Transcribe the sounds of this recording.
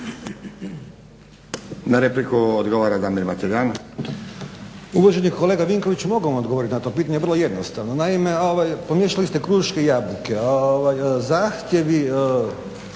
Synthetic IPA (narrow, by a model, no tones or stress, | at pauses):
naɾeplikuod̪ɡoʋaɾad̪aːmiɾmat̪eɡaːna | uʋoʒenikkole̞ːɡaʋiŋko̞ʋit͡ɕumo̞ɡoamo̞d̪ɡooɾit̪inat̪o̞ːpiːt̪aɲeʋrlˠoje̞d̪nost̪aʋnonaime̞oʋajpomjeʃalist̪e̞kɾuːʃkejabluke̞oʋajzaːxt̪je̞ʋi